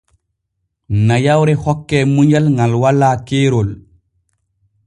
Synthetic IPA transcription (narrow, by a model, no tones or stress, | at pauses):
najawɾɛhɔkːɛːmuɲalŋalwalːaːkeːɾɔl